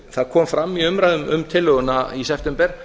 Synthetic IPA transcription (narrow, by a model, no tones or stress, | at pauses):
θaðkʰɔːmfɾamːiʏmɾajðʏmʔʏmt̪ʰɪlːʏɣʏnaisɛft̪ɛmpɛɾ̥